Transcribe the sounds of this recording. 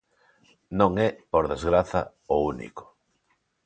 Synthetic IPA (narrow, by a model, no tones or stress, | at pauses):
nõŋɛpoɾðezɣɾaθɐ̰ | ounḭko̥